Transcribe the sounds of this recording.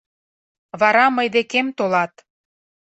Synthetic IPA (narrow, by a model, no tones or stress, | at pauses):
βɑɾɑməjd̪ekemt̪olɑt̪